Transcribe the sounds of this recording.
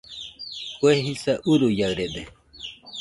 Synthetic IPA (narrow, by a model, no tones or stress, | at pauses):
kueɦisaʔuɾujaɰɾed̪e